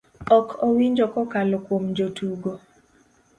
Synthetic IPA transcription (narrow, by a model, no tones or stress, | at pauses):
ɔkʰowiɲd͡ʒɔkɔkalɔkwomd͡ʒotuɡo